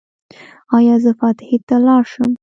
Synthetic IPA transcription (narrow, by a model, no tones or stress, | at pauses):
ɑjɑzəfɑt̪ɪhet̪alɑɾʃəm